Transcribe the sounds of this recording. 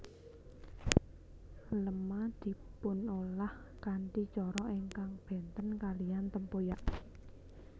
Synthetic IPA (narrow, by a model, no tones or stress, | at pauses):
ləmad̪̥i̤pʊnolah | kaɳʈit͡ʃɔɾɔʔiŋkaŋb̥ɛ̤nt̪ənkalijant̪əmpojaʔ